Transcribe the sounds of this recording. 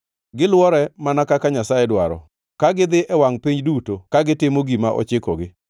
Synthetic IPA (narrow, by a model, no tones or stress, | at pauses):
ɡɪlwɔɾɛmanakakaɲasajɛdwaɾɔ̰ | kaɡɪd̪ɪʔɛwaŋpiɲdutokaɡɪtɪmoɡimaʔɔ̰t͡ʃɪkɔɡɪ